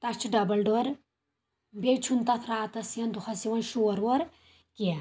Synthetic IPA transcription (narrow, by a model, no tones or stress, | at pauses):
t̪ɐt͡ʃʰiɖɐbɐlɖoɾ | bet͡ʃʰunt̪ɐt̪ʰɾaːt̪ɐsiɐnd̪uxʰɐsiʋɐnʃoːɾʋoɾ | ki